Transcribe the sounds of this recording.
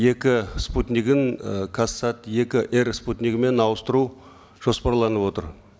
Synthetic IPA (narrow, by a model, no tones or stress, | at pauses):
e̞kʲɪsput̪nʲikɪŋkʰasːɑt̪je̞kʲɪʔeɾsput̪nikɪme̞nɑwəst̪əɾu | ʒ̥o̞spɑɾlˠɑnəpwo̞t̪əɾ